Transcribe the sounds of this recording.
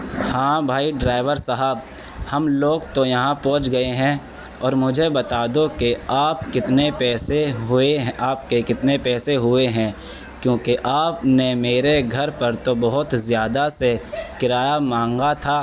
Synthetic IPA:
hãːbʱaːiɖɾaːɪʋəɾsəɦəb | hɐmloːɡt̪ojɐɦãpɔ̃ɦt͡ʃɡɐeɦɛ̃ | ɔːɾmʊd͡ʒʱebɐt̪aːd̪okeaːp̚kɪt̪nepɛːseɦʊeɦaːp̚kekɪt̪nepɛːseɦʊeɦɛ̃ː | kjõːkeʔaːpnemeːɾeɡʱɐɾpɐɾt̪obɐɦʊt̪zjaːd̪asekɪɾaːjamãːŋɡat̪ʰaː

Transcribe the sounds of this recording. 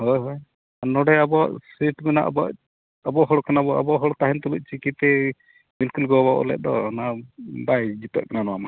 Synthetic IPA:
hɔjɦɔj | anɔɽɛabɔa̰ʔsiʈbɛna̰ʔbɔa̰ʔ | abɔɦɔɽkanabɔʔabɔʔɦɔɽt̪aɦɛnt̪ɔluc̚t͡ʃikit̪ɛ | milkulɡɔbɔʔɔ̰lɛ̰ʔ̪̚ˀd̪ɔ̰nabajd͡ʒit̪ɔ̰ʔ̚kananɔwama

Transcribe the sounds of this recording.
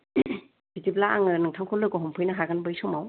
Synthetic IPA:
bitiblaaŋɯnɯŋtʰaŋkʰɔlːɯɡɔɦɔmpʰɯjnaɦaɡanbɯjsɔmaw

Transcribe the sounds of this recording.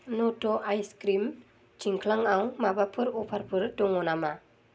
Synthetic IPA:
notoʔajskɾim | t͡ʃiŋkʰlaŋawŋmabapʰɯɾupʰarpʰɯɾdɔŋɔnama

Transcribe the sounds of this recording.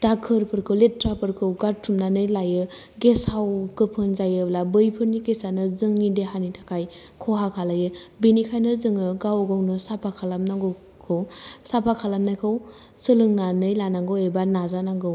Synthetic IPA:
d̥akʰɯɾpʰɯɾkʰɯwletɾapʰɯɾkʰɯwɡaɾtʰumnanɯjlajɯɡesawkɯpʰɯnzajɯblabɯjpʰɯɾnikesanɯzɯŋːideɦanitʰakʰaj | kʰɔɦakʰalajɯbinikʰajnɯzɯŋɯɡawɡawnɯsapʰakʰalamnaŋɡɯ | kʰɯwsapʰakʰalamnajkʰɯw | sɯlɯŋnanɯjlanaŋɡɯwebanazanaŋɡɯw

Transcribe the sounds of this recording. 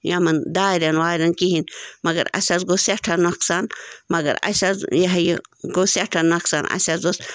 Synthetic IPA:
jamɐnd̪aːɾɐnwaːɾʲɐnkiɦinmɐɡɐ̰ɾɐ̰sʲazɡosjɐʈʰɐnmɐksanmɐɡɐ̰ɾɐ̰sʲazjɐɦjɡosjɐʈʰanmɐksa̰nɐ̰sʲazɡos

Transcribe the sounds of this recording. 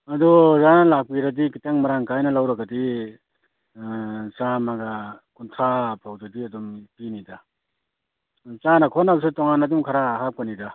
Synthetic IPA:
ɐdɔzanalak̚piɾadikitaŋmaɾaŋkajnɐlawɾaɡadi | t͡ʃamaɡakuntʰɾapʰawdadiɐdumpinida | t͡ʃanakʰɔnabsitɔŋanɐdumkʰaɾaɦap̚kanida

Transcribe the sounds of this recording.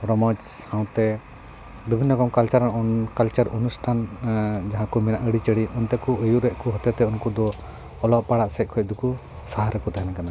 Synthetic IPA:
ɾɔmɔd͡ʒhãw̃t̪ɛ | bibʱinːɔkɔmkalt͡ʃaɾkalt͡ʃaɾṵnusʈʰand͡ʒaɦãkumɛnaʔəɽit͡ʃəɽiʔɔnt̪ɛkuəjuʔɾɛʔkuɦɔt̪ɛt̪ɛunkud̪ɔː | lɔʔpaɽaʔsɛc̚ˀkʰɔc̚d̪uku | saɦaɾɛkut̪aɦɛnakana

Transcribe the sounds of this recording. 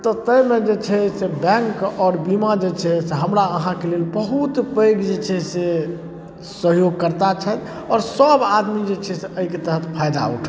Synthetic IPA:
t̪ɔt̪əjmed͡ʒet͡ʃʰɛsebɛ̃ŋkɔːɾbimad͡ʒet͡ʃʰɛseɦəmɾaəɦãkelelbəɦut̪pəjɡd͡ʒet͡ʃʰɛse | səɦjoɡ̚kəɾt̪at͡ʃʰət̪ | ɔːɾsəbad̪mid͡ʒet͡ʃʰɛseəiket̪əɦət̪pʰajd̪a̰ṵʈʰ

